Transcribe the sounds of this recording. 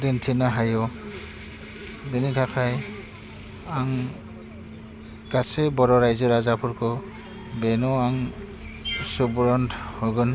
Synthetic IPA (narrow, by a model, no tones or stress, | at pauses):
dentʰinaɦajɔ | benitʰakʰaj | aŋ | ɡasebɔɾɔɾajzɔɾazapʰuɾkɔ | benuaŋ | subɾɔntʰhɔɡɯn